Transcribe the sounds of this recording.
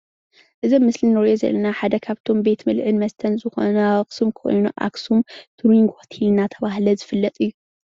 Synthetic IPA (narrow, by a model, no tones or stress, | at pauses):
ʔɨzomːɨslinːɨɾjozɐ̰lːɐnaħad̪ɐkʰaβt̪ʰo̞mbe̞t̪mɨlʕɨnmɐst̪ʰɐnzɨxo̰nɐksɨmkʰo̞̰jnuʔa̰ksumt̪ʰuɾiŋɡot̪ʰilnat̪ʰɐβaɦlɐzɨfɨlːɐt̪ʼɨjːu